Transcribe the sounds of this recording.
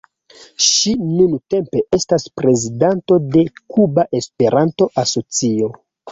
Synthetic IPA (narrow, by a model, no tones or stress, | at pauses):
ʃinunte̞mpe̞ʔe̞staspɾe̞zidanto̞de̞kubaʔe̞spe̞ɾʔanto̞ʔaso̞t͡sio̞